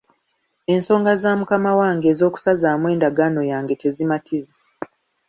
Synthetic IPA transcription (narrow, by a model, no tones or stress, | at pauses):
e̞nso̞ːŋɡazaːmukamawaːŋɡe̞ːzo̞ːku̥sazaːmwe̞ːndaɡano̞jaːŋɡe̞te̞zimatʰiza